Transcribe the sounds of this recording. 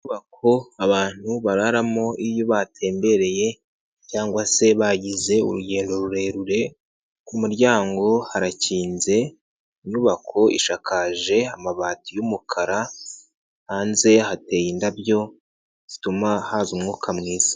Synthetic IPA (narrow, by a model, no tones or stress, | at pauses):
iɲuβakʰo̞aβaːn̥huβaɾaɾamo̞ijoβatʰe̞ːmbe̞ɾe̞je̞ | caːŋɡwase̞βaɟize̞ṵɾuɟe̞ːndo̞ɾuɾe̞ɾuɾe̞ | kumuɾɟaːŋɡo̞haɾaciːnze̞ | iɲuːβakʰo̞ḭʃakaːʒe̞amaβaːtijumukʰaɾa | haːnze̞hate̞ːjindaβjo̞ | z̥itumahazumŋuːkʰamŋiːz̥ḁ